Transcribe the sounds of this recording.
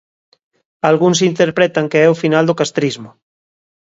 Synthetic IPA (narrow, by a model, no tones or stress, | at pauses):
alɣuŋs̬int̪eɾpɾɛt̪aŋkeɛofinald̪okast̪ɾizmʊ